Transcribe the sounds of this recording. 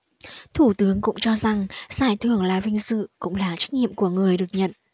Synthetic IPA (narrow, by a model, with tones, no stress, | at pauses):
t̪ʰu˧˩t̪ɨ˨˦əŋkʊ̰˧˥ŋ͡mt͡ɕɔ˧za˨˩ŋz̥aː˧˩jt̪ʰɨ˨˧˩əŋlaː˨˩vï˧ŋ̟sɨ̰˧˨kʊ̰˧˥ŋ͡mlaː˨˩t͡ɕa˦˥k̟̚ɲḭ˧˨əmku˧˩əŋɨ˨˩əjɗɨ˨˩ək̚ɲə̰˧˨n